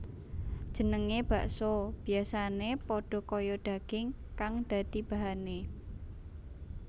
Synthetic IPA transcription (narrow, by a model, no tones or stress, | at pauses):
d̥ʒ̥ə̤nəŋeb̥a̤ʔsɔb̥i̤asanepɔɖ̥ɔ̤kojɔɖ̥a̤ɡ̥ɪŋ | kaŋd̪̥a̤d̪̥ib̥a̤ɦane